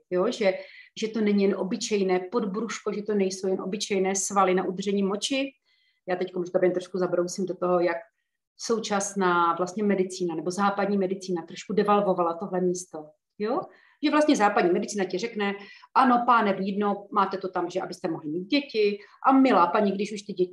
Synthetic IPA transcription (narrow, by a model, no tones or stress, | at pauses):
joʒɛʒɛt̪o̞nɛɲijɛnʔo̞bɪt͡ʃɛjnɛːpo̞dbɾuʃko̞ʒɛt̪o̞nɛjsowjɛnʔo̞̰bɪt͡ʃɛjnɛːsvalɪnaʔud̪rʒ̥ɛɲiːmo̞t͡ʃɪ | jaːt̪ɛckomʒɡabɛnt̪ɾoʃkuzabɾowsimdot̪o̞ɦo̞jak̚ | so̞wt͡ʃasnaːvlast̪ɲɛmɛdɪt͡siːnanɛbo̞zaːpadɲiːmɛdɪt͡siːnat̪ɾoʃkudɛvalvo̞valat̪o̞ɦlɛmiːst̪o̞ | jo | ʒɛvlast̪ɲɛzaːpadɲiːmɛdɪt͡siːnacɪrɛknɛʔano̞paːnɛbojidnomaːt̪ɛt̪ot̪amʒɛʔa̰bɪst̪ɛmoɦlɪmiːd̪̚ɟɛcɪʔamɪlaːpaɲɪɡdɪʃuʃt̪ɪɟɛɪ